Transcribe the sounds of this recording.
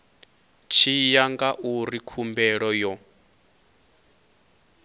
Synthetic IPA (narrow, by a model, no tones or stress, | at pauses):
t͡ʃʰijaŋɡaʔuɾikʰumbɛɺɔjɔ